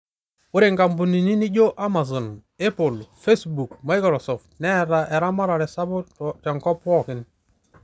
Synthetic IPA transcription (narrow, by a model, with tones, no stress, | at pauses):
ʊ˦ɾɪ˨ŋɡa˨mbu˨ni˨ni˦ni˦d͡ʒo˦ʔa˦ma˨s̬ɔ˨n | e˦po˨lfe˦sbu˨kma˦jkɾɔ˨sɔ˨ftnɛ˦˨ɾa˨ʔɛ˨ɾa˦ma˦ɾa˨ɾɛ˨sa˦bʊ˦tɛ˨ŋkɔ˦pɔ˦˨kɪ˦n